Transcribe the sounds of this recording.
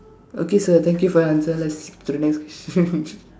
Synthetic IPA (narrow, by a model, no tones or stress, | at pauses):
o̰kesot̪ʰɛ̃ŋkjufɔɾãnsəlɛtsi̥pt̪ʰunɛkskwɛstə